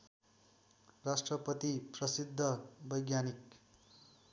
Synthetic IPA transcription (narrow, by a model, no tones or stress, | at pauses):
rasʈrʌpʌt̪iprʌsid̪ʱːʌbʌjɡjanik